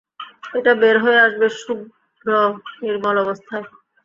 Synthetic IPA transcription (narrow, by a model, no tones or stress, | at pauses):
eʈabeɾɦoeaʃbeʃuɡʱ | ɾoeɾmɔlɔbost̪ʰae